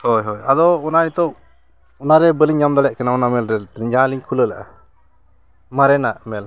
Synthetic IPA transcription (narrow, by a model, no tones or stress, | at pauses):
hɔjɦɔjad̪ɔɔnanit̪ɔʔ | ɔnaɾɛbəliɲːamd̪ɔlɛʔ̚kanaɔnamɛlɾɛlt̪ɾiɲd͡ʒaliɲkʰuləlaʔa̰ | maɾɛnaʔmɛl